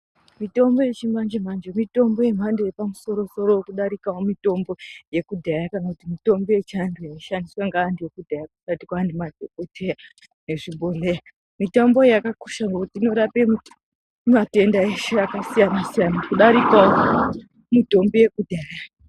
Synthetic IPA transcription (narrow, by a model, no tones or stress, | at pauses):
mito̞mbo̞je̞t͡ʃimand͡ʒem̤and͡ʒemito̞mbo̞je̞m̤andejepamuso̞ɾo̞so̞ɾo̞okuɗaɾikawomito̞mbo̞je̞kudʱajakanakutimito̞mbejet͡ʃandojaiʃandiswaŋɡaːndiekudʱajakuʃatikwaːndimadʱoko̞te̞ja | ne̞ʐiɓʱoleja | mitombo̞jakaku̥ʃaŋɡekutiːno̞ɾape | mate̞ndaeʃeakasijanasijanakuɗaɾikawo | mito̞mbije̞kudʱaːja